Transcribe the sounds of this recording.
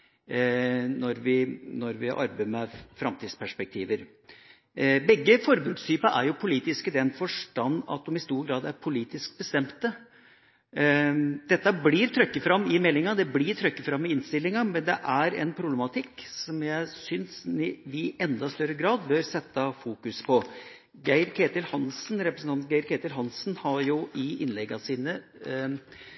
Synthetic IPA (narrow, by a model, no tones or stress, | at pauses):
nɔɾʋɪnɔɾʋɪ̰ʔɑ̰ɾbemɛfɾɑmt̪ʰiːd̪spʰæʂpɛk̚t̪ʰḭːʋəɾ | bɛɡːəfɔɾəbɾʉkst̪ʰyːpɑʔæɾjʊpʰʊliːt̪ɪskəd̪ɛnfɔʂʈɑnːɑ̰t̪̚d̪ɔmɪst̪uːɾɡɾɑːd̪æɾpʰʊliːt̪ɪsk̚bəst̪ɛmt̪ə | d̪̥ɛt̪ːɑbliɾt̪ʰɾœkːəfɾɑmːɪmɛlːɪŋɑd̪ɛbliːɾt̪ʰɾœkːəfɾɑmːɪɪnst̪ɪlːɪŋɑmɛnd̪ɛʔæɾɛ̰npʰɾʊblɛmɑt̪ʰɪkːsɔmjæɪsʏnsɪʋɪʔɛnd̪ɑst̪œɾəɡɾɑːd̪bœɾsɛt̪ːɑfuːkʉspʰɔ | ɡæɪɾkʰeːt̪ɪlhɑnsnɾɛpɾəsn̩ʰɑnt̪ɡæɪɾkʰet̪ɪlɦɑnsnhɑɾjʊʔɪʔɪnlɛɡːɑsiːnə